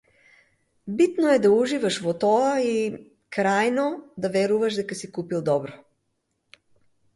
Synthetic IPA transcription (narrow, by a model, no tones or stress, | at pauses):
bit̪noɛd̪auʒivaʃvɔt̪ɔai | kɾajnɔd̪avɛɾuvaʃd̪ɛkasikupilˠd̪ɔbɾɔ